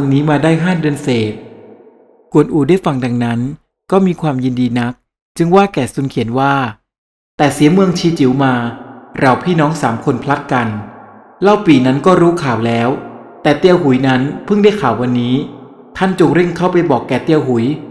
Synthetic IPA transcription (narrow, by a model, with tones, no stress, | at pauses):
ŋniː˦˥maː˧daː˥˩jɦaː˥˩dɯ˧ənseː˨˩t̪̚ | ku˨˩ənʔuː˨˩daː˥˩jfa˧˩ŋda˧ŋna˦˥n | kɔː˥˩miː˧kʰwaː˧mji˧ndiː˧na˦˥k̚ | t͡ɕɯ˧ŋwaː˥˩kɛː˨˩su˧nkʰi˩˦nwaː˥˩ | t̪ɛː˨˩si˩˦əmɯ˧əŋt͡ɕʰiː˧t͡ɕi˩˦wmaː˧ɾa˧wpʰiː˥˩nɔː˦˥ŋsaː˩˦mkʰo˧npʰla˦˥t̪̚ka˧n | la˥˩wpiː˨˩na˦˥nkɔː˥˩ɾuː˦˥kʰaː˨˩wlɛː˦˥w | t̪ɛː˨˩t̪i˧əwɦu˩˦jna˦˥npʰɯ˥˩ŋdaː˥˩jkʰaː˨˩wːa˧nːiː˦˥ | t̪ʰa˥˩nt͡ɕo˨˩ŋɾe˥˩ŋkʰa˥˩wpa˧jbɔː˨˩kːɛː˨˩t̪i˧əwɦu˩˦j